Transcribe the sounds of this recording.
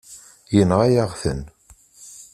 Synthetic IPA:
jənʁæjaʁθə̰n

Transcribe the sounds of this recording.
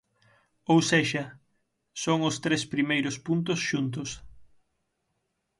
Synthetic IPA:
owseʃɐ | soŋʊst̪ɾespɾimejɾʊspunt̪̬ʊsʃunt̪̬ʊs

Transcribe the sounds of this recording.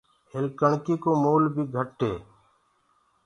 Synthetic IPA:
hɪlkəɳkiːkoːmoːlbʱiːɡʱəʈːeː

